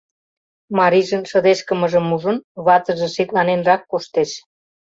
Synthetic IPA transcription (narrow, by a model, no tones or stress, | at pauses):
mɑɾiʒə̆nʃɤ̆d̪eʃkə̆mə̆ʒə̆muʒə̆nβɑt̪ə̆ʒĕʃet̪lɑnenrɑkːoʃt̪eʃ